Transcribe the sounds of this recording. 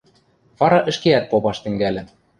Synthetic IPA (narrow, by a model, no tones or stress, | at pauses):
vɑɾɑʔɘ̆ʃkeæt̪̚popɑʃt̪ɘ̆ŋɡælʲɘ̆